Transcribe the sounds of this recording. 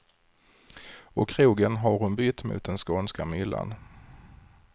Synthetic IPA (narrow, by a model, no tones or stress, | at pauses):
ɔkʰːɾuːɡənɦaɾhʊnbʏt̪ːmʊ̰ːt̪̚d̪ɛnskoːnskamʏlːa̰n